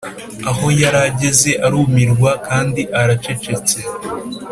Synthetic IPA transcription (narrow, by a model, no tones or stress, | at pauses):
aɦo̞jaɾaɟe̞ze̞ʔaɾumiɾɡwakʰaːndiʔaɾat͡ʃe̞t͡ʃe̞t͡se̞